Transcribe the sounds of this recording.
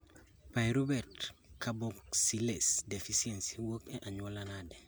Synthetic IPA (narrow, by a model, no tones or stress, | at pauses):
pajɾubɛɾtkaboksilesdefisiensiwokeʔaɲolanade